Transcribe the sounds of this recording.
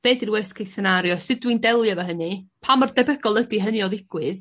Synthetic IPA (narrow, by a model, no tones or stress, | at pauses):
b̥eːdirwɛskʰejsɛnaɾjɔsɨdwindɛlˠjavaɦənipʰamɔrdɛbəɡɔlˠədiɦəniɔðɪɡ̥wɨð